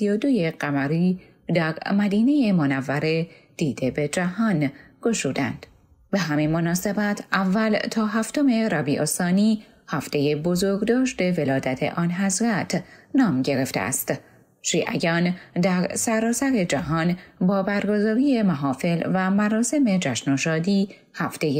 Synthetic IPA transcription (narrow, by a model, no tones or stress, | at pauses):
sijod̪oje̞ɢæmæɾiː | d̪æɾmæd̪iːne̞je̞monævːæɾe | d̪̥iːd̪̥e̞bed͡ʒæhɒn | ɡ̥o̞ʃuːd̪æ̰nd̪̥ | be̞ɦæminmonɒːse̞bæt̪ʰʔævːælt̪ʰɒːɦæft̪o̞me̞ɾɒbiːʔost̪ɒːniː | hæft̪e̞jebo̞zoɾɡd̪ɒːʃt̪e̞ve̞lɒːd̪æt̪ʰe̞̰ʔɒːnɦæzɾæt̪ʰnɒːmɟe̞ɾe̞ft̪ḛæ̰st̪ | ʃiːʔæ̰jɒːnd̪æɾsæɾɒːsæɾe̞d͡ʒæɦɒːnbɒːbæɾɡo̞zɒːɾije̞mæɦɒːfe̞lvæmæɾɒːse̞me̞d͡ʒæʃnoʃɒːd̪iː | hæft̪e̞je